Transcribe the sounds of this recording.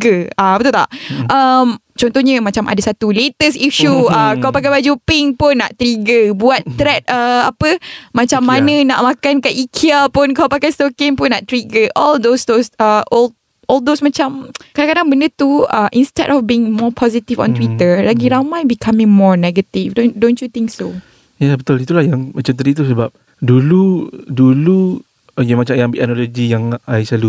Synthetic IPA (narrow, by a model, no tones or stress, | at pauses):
ɡəapət̪ut̪a̰ʔʔəm | t͡ʃɔnt̪ɔhɲãmat͡ʃamʔa̰dasat̪ulet̪əsiʃuəkawpakajbad͡ʒupɪŋpʊnːa̰ʔt̪ɾiɡəbuat̪ːɾɛt̪̚əapəmãt͡ʃamːãnə̃naʔmãkankaʔikʰiapʊnkawpakajst̪okɪŋpʊnːaʔt̪ɾiɡəʔɔld̪osd̪osəʔɔl | ɔld̪osmat͡ʃamkadaŋkadaŋbəndət̪uaʔĩnstɛ̰dɔfbiɪŋmɔpʰɔzit̪ifɔ̰̃nt̪wit̪əlaɡiɾamajbikʰamɪ̃ŋmɔɹnɛɡət̪ifdondõnt͡ʃut̪ɪ̃ŋkso | jabət̪ulit̪ulahjaŋmat͡ʃamt̪̬adit̪usəbap̚ | duludulu | jamat͡ʃamjãŋbiʔanɔloɡijaŋajsalu